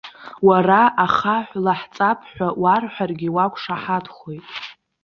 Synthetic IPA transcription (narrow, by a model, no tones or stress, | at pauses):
waraʔaχaħʷlaħt͡sʼapʰħʷᶣawarħʷᶣarɡʲiwakʷʰʼʂaħadχojtʼ